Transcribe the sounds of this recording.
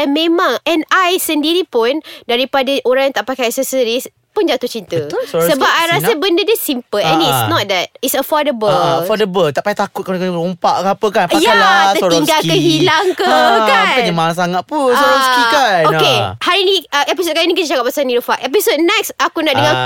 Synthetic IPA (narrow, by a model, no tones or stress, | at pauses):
ɛnmẽmãŋɛ̃najsəndiɾipʊndaɾipadaʔoɾãŋjãŋt̪aʔpakajɛk̚sɛsəɾis | pʊnd͡ʒat̪ʊht͡ʃint̪əssəbap̚ajɾasabəndədəsimpəlɛ̃nisnɔt̪̚d̪ɛt̚itsəfɔdəbəlfɔdəbəlt̪aʔpajt̪akut̪̚kakəɾumpa̰ʔkapəkanajaalaəoɾiŋɡalkəhilaŋkəkankad͡ʒamaɾaŋsaŋat̪̚punsoɾɔskikanokehaɾinĩəʔɛpis̬ot̚kaɾinĩk̬it̪əd͡ʒakap̚asaniɾəfaʔʔep̬isot̚nɛksakunaʔdəŋãn